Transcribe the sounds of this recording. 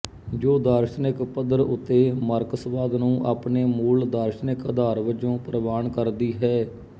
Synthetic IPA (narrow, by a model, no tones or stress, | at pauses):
d͡ʒoːd̪aːɾʃnɪkpəd̪əɾʊt̪ːeːməɾkəsʋaːd̪nũːʔaːpneːmuːld̪aːɾʃnɪkəd̪aːɾʋəd͡ʒõːpɾəʋaːnkəɾd̪iːɦɛː